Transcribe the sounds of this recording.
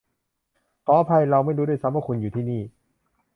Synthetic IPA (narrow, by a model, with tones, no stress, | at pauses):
p̪ʰɔː˨˦pʰa˧jɾa˧wma˥˩jduː˧˦du˥˩jsa˦˥mwaː˧˥˩kʰu˧njuː˨˩iː˥˩niː˥˩